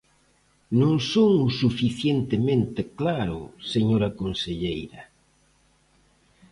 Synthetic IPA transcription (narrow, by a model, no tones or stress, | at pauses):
nõŋsoŋusufiθjent̪emẽnt̪eklaɾʊ̰seɲoɾɐkonseʎejɾɐ